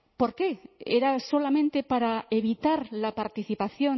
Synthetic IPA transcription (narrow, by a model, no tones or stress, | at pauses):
poɾkeeɾaso̞lamẽnt̪e̞paɾaeβit̪aɾlapaɾt̪iθipaθjo